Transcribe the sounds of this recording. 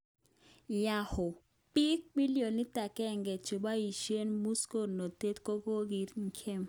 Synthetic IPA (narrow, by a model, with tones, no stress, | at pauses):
ja˨hʊ˨ | pi˦k̚mi˦li˦o˨nɪ˦ta˨kɛ˦˨ŋɡɛ˨t͡ʃo˨ba˦i˨ʃe˦nmu˦sko˦˨no˨te˦tko˦ɡo˦ɡi˨˦tŋ̩˦˨kʰɛ˦˨m